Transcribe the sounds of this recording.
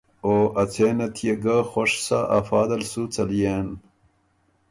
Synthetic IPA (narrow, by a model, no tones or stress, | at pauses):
oʔɐt͡sʰeːnɐt̪ʰijeɡaxoʂsaʔɐfaːd̪ɐlsut͡sɐlijen